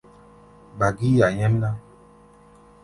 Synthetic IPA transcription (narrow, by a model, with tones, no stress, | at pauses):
ba˨ɡi˦ja˨ɲɛ˦m˦na˦